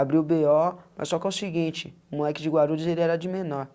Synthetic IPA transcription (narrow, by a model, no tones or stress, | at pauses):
abɾibeɔmɐ̰sːɔkãʊsiɡĩnt͡ʃɪʊmũɛkɪd͡ʒɪɡwaɾulʊzelɪɛɾɐd͡ʒɪmenɔɾ